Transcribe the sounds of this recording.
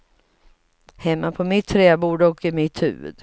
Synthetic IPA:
hɛmːapʰɔmɪt̪ʰːɾɛːbuːɖɔkɪmɪt̪hʉ̟̰ːə̰d̪

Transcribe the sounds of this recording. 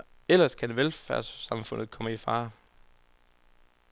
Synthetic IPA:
el̰ɐskʰædʋelfæɐ̰ssɑ̈mfɔ̽n̰ð̩ˠkʰɒ̽məifɑ̈ː

